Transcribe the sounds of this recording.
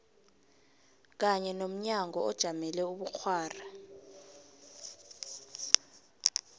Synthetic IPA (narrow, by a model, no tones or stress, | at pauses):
k̬aɲɛnom̩ɲaŋɔɔd̥ʒ̥ʱamɛlɛuɓuk͡xʰwaːra